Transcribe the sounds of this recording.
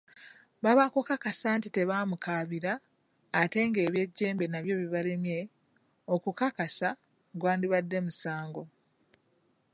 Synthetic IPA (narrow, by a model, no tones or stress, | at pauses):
βaβakukakasaːntite̞βaːmukaβiɾaː | te̞ːŋɡe̞ːβje̞ɟːe̞ːmbe̞naβjo̞βiβale̞mje̞ | okukakasa | ɡwaːndiβadːe̞musaːŋɡo̞